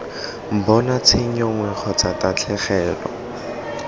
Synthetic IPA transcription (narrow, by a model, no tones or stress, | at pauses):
m̩bɔnat͡sʰɪɲɔŋwɛχɔt͡satat͡ɬʰɛχɛːlɔ̰